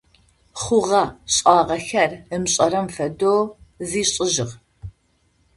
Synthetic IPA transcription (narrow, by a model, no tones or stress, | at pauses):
χʷʊʁɐɕʼɑːʁɐxɐrəmɕʼɐɾɐmfɐdoːziːɕʼɪʑɪʁ